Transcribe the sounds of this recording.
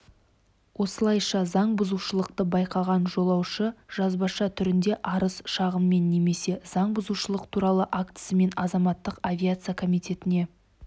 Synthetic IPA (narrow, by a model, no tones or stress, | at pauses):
wʔo̞səlˠɑjʃɑzɑɴbʊzuʃəlˠəq̚t̪əbɑjqɑʁɑnʒo̞lˠɑwʃəʒ̥ɑzbɑʃɑt̪ʰʏɾɪnd̪e̞ʔɑɾəsʃɑʁəmːe̞nːe̞me̞se̞z̥ɑɴbʊzuʃəlˠəqt̪ʰuɾɑlˠəʔakt̪səme̞nɑzɑmɑt̪ːəqavʲijat̪sɨjakʰomijt̪ʰe̞t̪ɪne̞